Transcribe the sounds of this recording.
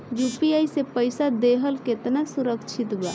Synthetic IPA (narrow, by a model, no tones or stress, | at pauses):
jupiajsepəjsad̪eɦəlket̪nasuɾəkt͡ʃʰit̪bɛ